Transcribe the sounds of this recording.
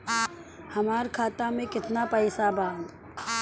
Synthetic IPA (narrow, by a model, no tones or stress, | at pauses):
hɐmaːɾkʰaːt̪amẽkɪt̪napəɪsabaːd̪